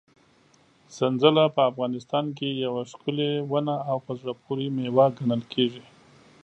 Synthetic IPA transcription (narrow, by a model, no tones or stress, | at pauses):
sanzəlapəafɣɑnɪst̪ɑnk̬ejawaʂkʊlewanaːwpazɽapʰuɾimewaɡanəlkʰeʐi